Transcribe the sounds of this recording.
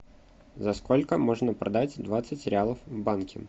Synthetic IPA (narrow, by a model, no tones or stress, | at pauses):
zɐsko̞lʲkəmo̞ʐnəpɾʔɐd̪atʲd̪vat̪sɨtʲɾʲɪalˠəfvbankʲɪ̰